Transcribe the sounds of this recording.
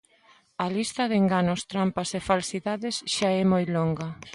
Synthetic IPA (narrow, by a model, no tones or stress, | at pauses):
ɐlist̪ɐðeŋɡanʊst̪ɾampasefalsiðaðesʃaɛmojloŋɡɐ